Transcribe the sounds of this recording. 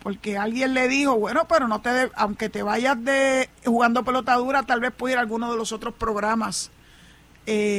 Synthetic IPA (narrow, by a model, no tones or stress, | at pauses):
po̞ɾke̞alɡje̞nle̞ðiho̞βwe̞no̞pe̞ɾo̞no̞t̪e̞ðeawŋke̞t̪e̞βaʝazd̪e̞huɣand̪o̞pe̞lo̞t̪að̞uɾat̪alβe̞spweiɾalɣuno̞ðe̞lo̞so̞t̪ɾo̞spɾo̞ɣɾamas | e